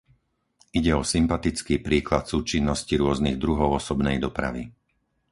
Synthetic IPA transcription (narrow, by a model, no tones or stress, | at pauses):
iɟɛɔsimpat̪it͡skiːpɾiːklat̪suːt͡ʃinːɔsciɾʊɔzniɣd̪ɾuɦɔʊɔsɔbnɛjd̪ɔpɾa̰ʋḭ